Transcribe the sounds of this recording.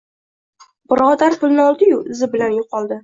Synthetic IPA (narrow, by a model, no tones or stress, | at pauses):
bɪɾɒd̪aɾpʰʊlnɪɒlˠd̪ɪjʊʔɪzɪbɪlanjʊqɒlˠd̪ɪ